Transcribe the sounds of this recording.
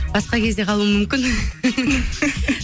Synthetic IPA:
bɑsqɑkʲʰe̞zd̪e̞qʰɑlˠuəmʏmkʲɪn

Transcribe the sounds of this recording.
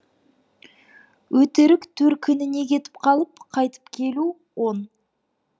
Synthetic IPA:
wɵt̪ɪɾɪkt̪ʰɵɾkʲʰʏnɪne̞kʲʰe̞t̪ɪ̥p̚qʰɑlˠəp̚qʰɑjt̪ə̥pkʲʰe̞lu | wo̞n

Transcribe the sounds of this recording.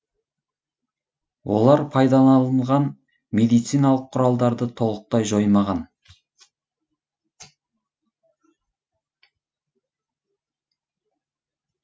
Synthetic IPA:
wʔo̰lˠɑɾpʰɑjd̪ɑnɑlˠəɴʁɑn | med̪ijt̪sijnɑlˠəqʰːʊɾɑlˠd̪ɑɾd̪ət̪ʰo̞lˠəq̚t̪ɑjʒo̞jmɑʁɑn

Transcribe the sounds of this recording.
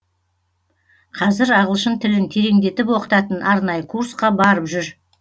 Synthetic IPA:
qʰɑzɪɾɑʁəlˠʃənt̪ʰɪlɪnt̪ʰe̞ɾe̞ŋd̪e̞t̪ɪpwo̞qə̥t̪ɑt̪ənʔɑɾnɑjəkʰuɾsqɑbɑɾəpʒʏɾ

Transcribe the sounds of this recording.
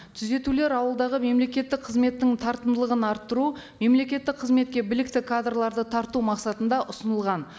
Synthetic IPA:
t̪ʰʏze̞t̪ule̞ɾɑwəlˠd̪ɑʁəme̞mle̞kʲe̞t̪ːɪk̚qʰəzme̞t̪ːɪŋt̪ʰɑɾt̪ənd̪əlˠəʁənɑɾt̪ːəɾu | me̞mle̞kʲe̞t̪ːɪk̚qʰːəzme̞t̪̚kʲe̞bɪlɪk̚t̪ɪkʰad̪rlˠɑɾd̪ət̪ʰɑɾt̪umɑqsɑt̪ənd̪ɑʔʊsənəlˠʁɑn

